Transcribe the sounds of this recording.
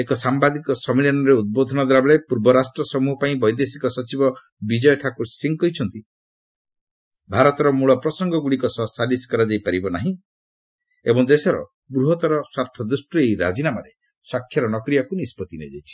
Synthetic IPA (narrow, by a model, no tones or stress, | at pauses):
ekɔsambad̪ikɔsɔmiljanɔɾeud̪̚bod̪ʱɔnɔd̪ʱɔɾabeɭepuɾbɔɾasʈɾɔsɔmuɦɔpaĩbɔjd̪esikɔsɔt͡ʃibɔ | bid͡ʒɔjɔʈʰakuɾsiŋkɔjt͡ʃʰɔnt̪i | bʱaɾɔt̪ɔɾɔmuɭɔpɾɔsɔŋɡɔɡuɽikɔsɔsaliskɔɾad͡ʒajpaɾibɔnaɦĩ | ebɔŋd̪esɔɾɔ̰ | ɡɾuɦɔt̪ɔɾɔswaɾt̪ʰɔd̪usʈɔeiɾa̰d͡ʒinamaɾe | swakʰːjɔɾɔnɔkɾijɔkunispɔt̪inḛd͡ʒa̰jt͡ʃʰi̥